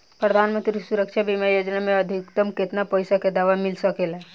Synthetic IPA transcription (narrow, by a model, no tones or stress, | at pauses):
pɾəd̪ʱaːnmə̃nt̪ɾisuɾəkʃabʱimajoːd͡ʒnamẽəd̪ʱɪkt̪əmkɪt̪napəɪsaked̪aːʋamɪlsəkelɛ